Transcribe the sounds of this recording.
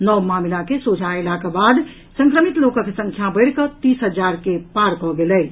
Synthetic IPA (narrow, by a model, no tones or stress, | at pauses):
nɔmamilakesod͡ʒʱaelakabad̪ | səŋkɾəmit̪lokə̃kesə̃ŋt͡ʃʰjãbəɪɾkət̪isɦəd͡ʒaɾkepaɾkɔɡelɛ